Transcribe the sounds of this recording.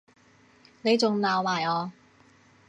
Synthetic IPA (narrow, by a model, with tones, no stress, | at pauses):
ne˨˧jt͡sʊ˨ŋlaː˨wmaː˨˩jɔː˨˧